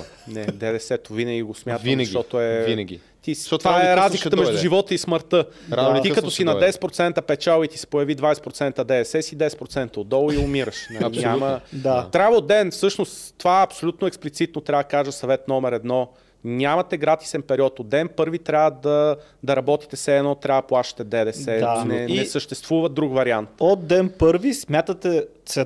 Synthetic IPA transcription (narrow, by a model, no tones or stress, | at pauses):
nɛd̪ɛd̪ɛsɛt̪ovinəɡʲiɡosmʲat̪viəʃɡʃʲt̪ɔt̪oɛvinəɡʲḭ | t̪it̪ovaɛɾazlikət̪əmɛʒdd̪ʊʒivɔt̪əisməɾt̪ɤaikɐt̪ɔsinɐd̪ɛsɛ̥t̪̚pɾot̪sɛnt̪əpɛt͡ʃalˠit̪i̥sɛ̥pojɐvid̪vajsɛ̥pɾot̪sɛnt̪əd̪ɛɛsɛsid̪ɛsɛt̪pɾot̪sɛnt̪əod̪ɔlˠʊiʊmiɾəʃnɐɐɲʲaməd̪at̪ɾʲavəod̪d̪ɛnfsɤʃnost̪ːovaɛɐpsolʲut̪noɛksplʲit̪sit̪not̪ɾʲavəd̪ɐkaʒəsɐvɛt̪nɔmɛɾɛd̪nɔ | ɲʲamɐt̪ɛɡɾat̪i̥sɛnpɛɾiɔt̪od̪d̪ɛnpɤɾvit̪ɾʲavəd̪ɐ | d̪ɐɾɐbɔt̪i̥t̪ɛsɛːd̪nɔt̪ɾʲavəd̪ɐplˠaʃə̥t̪ɛd̪ɛd̪ɛsɛnɛnɛsəʃt̪ɛst̪vuvəd̪ɾukvɐɾiant̪od̪̚d̪ɛnpɤɾvismʲjat̪ət̪ɛ | sɛ